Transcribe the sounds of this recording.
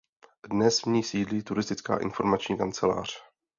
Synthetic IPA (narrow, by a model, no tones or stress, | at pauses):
dnɛsmɲiːsiːdliːt̪uɾɪst̪ɪt͡ska̰ːʔɪ̰nfo̞ɾmat͡ʃɲiːkant͡sɛla̰ːr̝̥